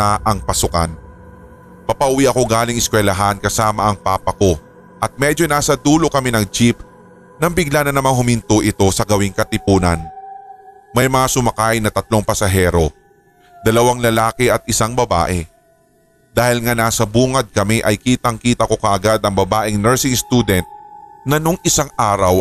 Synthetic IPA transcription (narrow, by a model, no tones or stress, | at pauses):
ɐʔɐŋpɐsʊka̰n | pɐpɐʔʊwiʔɐko̞ɡaːlɪŋɪskwɛlɐɦankɐsaːmɐʔɐŋpaːpɐko̞ | ʔɐt̪̚mɛd͡ʒo̞naːsɐd̪uːlo̞kɐmɛnɐŋd͡ʒip̚ | nɐmbɪɡlanɐnɐmaŋhʊmɪnt̪oʔɪt̪o̞sɐɡɐwɪŋkɐt̪ɪpuːnɐn | mɐjmɐŋasʊmɐkajnɐt̪ɐt̪̚lo̞ŋpɐsɐɦɛːɾo̞ | d̪̥ɐlɐwaŋlɐlaːkɪʔɐt̪̚ɪsaŋbɐba̰ːʔɛ | d̪aːhɪlŋanaːsɐbuːŋɐd̪̚kɐmɛʔɐjkiːt̪ɐŋkiːt̪ɐko̞kɐʔɐɡad̪ɐŋbɐbaːʔɪŋnɛɹsɪŋst̪uːd̪ɛnt̪̚nɐnoŋɪsaŋaːɾɐw